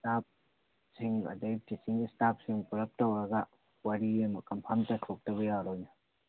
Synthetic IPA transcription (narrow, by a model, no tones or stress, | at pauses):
stap̚ | siŋɐ̰dej̚kisiŋistap̚siŋpuɾɐp̚tɐwɾɐɡɐ | wɐɾiɐmɐkɐmpʰamtɐtʰok̚tɐβɐjaɾojnɐ